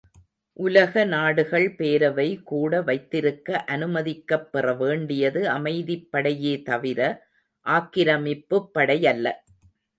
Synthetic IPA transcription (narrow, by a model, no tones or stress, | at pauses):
ʔʊlɐɣɐnaːɽɯɣɐɭpeːɾɐʋɐɪkuːɽɐʋɐɪt̪ːɪɾɯkːɐʔɐnɯmɐðɪkːɐpːɪrɐʋeːɳɖɪjɐðɯɐmɐɪðɪpːɐɽɐjeːt̪ɐʋɪɾɐ | ʔaːkːɪɾɐmɪpːɯpːɐɽɐjɐlːɐ